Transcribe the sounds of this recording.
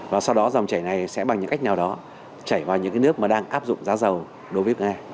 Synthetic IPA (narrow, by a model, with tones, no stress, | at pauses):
vaː˨˩sa˧wɗɔ˨˦za˨˩wŋ͡mt͡ɕaː˧˩jna˨˩jsɛ̰˧˥ɓa˨˩ŋɲɨ̰˧˥ŋka˦˥jk̚naː˨˩wɗɔ˨˦ | t͡ɕaː˧˩jvaː˨˩wɲɨ̰˧˥kaː˨˦jnɨ˦˥ək̚maː˨˩ɗaː˧ŋʔaː˦˥p̚zʊ̰˧˨ŋ͡mzaː˨˦zə˨˩w | ɗo˨˦jvə˨˦ŋaː˧